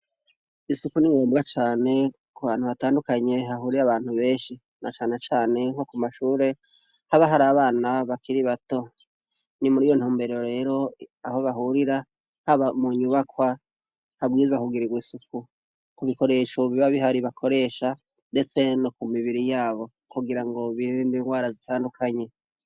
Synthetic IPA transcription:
isukuniŋɡoːmbɡat͡ʃaːne̞ | kuβaːn̥uβataːndukaɲe̞ɦaɦuɾiɾaβaːn̥huβe̞ːnʃi | na̰t͡ʃaːne̞t͡ʃaːne̞ŋho̞kumaʃuːɾe̞ | haβaɦaɾaβaːnaβakʰiɾiβato̞ | nimuɾiːjo̞n̥huːmbe̞ɾo̞ɾe̞ːɾo̞aho̞βaɦuɾiɾa | haβamuɲuβakwa | haɡwiːzwakuɡiɾiɡwiːsuku | kuβiko̞ɾe̞ʃoβiβaβiɦaɾiβakʰo̞ɾe̞ːʃa | nde̞t͡se̞nokumiβiɾijaːβo̞ | kuɡiɾaŋɡo̞βiɾindiŋɡwaːɾazitʰaːndukʰaɲe̞

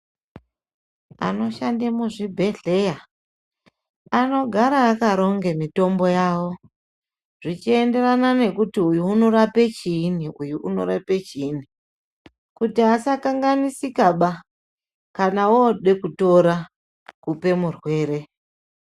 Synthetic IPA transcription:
a̰no̞ʃandemuʐibʱe̞ɮe̞ja | ano̞ɡʱaɾaːkaɾo̞ŋɡe̞mito̞mbo̞jaːwo̞ | ʐ̥it͡ʃie̞nde̞ranane̞kutiujuːno̞ɾape̞t͡ʃiːniujuʔuno̞̰ɾape̞t͡ʃiːni | kutiasakaŋɡanisikaɓa | kanaoɗe̞kuto̞ɾa | kupe̞murwe̞ːɾe̞

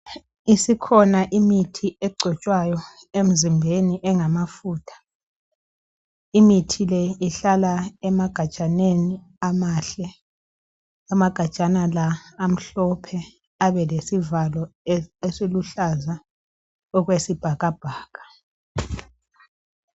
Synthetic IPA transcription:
isikʰɔnaʔimitʰiɛɡ͡ǀʱɔt͡ʃʼwajɔ | em̩zimbʱeniʔɛŋamafuːtʰḁ | imitʰilɛiɬalaɛmaɡ̥ʱat͡ʃʼaneni | amaɬɛ | amaɡ̥ʱat͡ʃʼanalaːm̩ɬɔpʰɛ | aβɛlesivalɔesiluɬaza | ɔɣwesib̥ʱaɣab̥ʱaːɣḁ

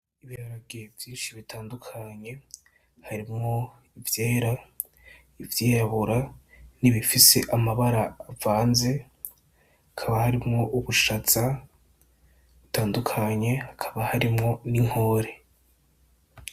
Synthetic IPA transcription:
iβiɾaɾaɡevjiːnʃiβitʰaːndukʰaɲe̞ | haɾimŋo̞ | ivjeːɾa | ivjejaβuɾa | niβifise̞ʔamaβaɾaːvaːnze̞ | akʰaβahaɾimŋo̞ʔuβuʃat͡sa | βutaːndukʰaɲe̞hakʰaβahaɾimŋo̞niŋ̥ho̞ːɾe̞

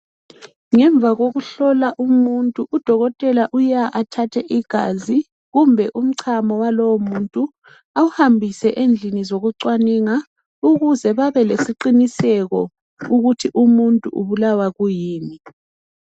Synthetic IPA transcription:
ŋɛɱb̪vʱaɣoɣuɬɔlaʔumuntʼuʔːd̥ʱɔɣɔtʼɛlaʔujaʔatʰatʰɛʔiɡ̥ʱa̰zi | ɣumbʱɛʔum̩ǀʰamɔwalɔwɔmuntʼu | awuhambʱisɛʔend͡ɮʱinizoɣuǀwaniŋa | uɣuzɛβaβɛlesiǀinisɛɣɔ | uɣutʰiʔumuntʼṵʔṵβulawaɣujiːni

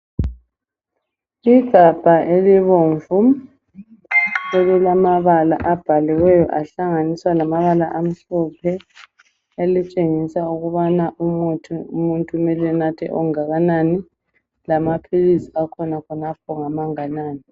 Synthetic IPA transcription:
iɡ̥ʱab̥ʱaʔeliβoːɱvu | eɣulamaβala̰ʔab̥ʱaliwɛjɔ̰ʔaɬaŋaniswalamaβalaʔam̩ɬɔpʰɛ | elit͡ʃʼeŋisauɣuβanaʔutumuntʼumɛlɛnatʰɛ̰ʔɔ̰ŋaɣanani | lamapʰilisi̥akʰɔnakʰɔnap̚ʰɔŋamaŋanaːni

